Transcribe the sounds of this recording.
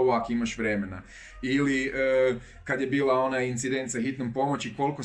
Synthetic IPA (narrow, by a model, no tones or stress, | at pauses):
oʋakimaʃʋɾeme̞na | iliəː | kad̪je̞biːlˠao̞najint̪sid̪e̞nt̪saxit̪nompo̞mot͡ɕiko̞lko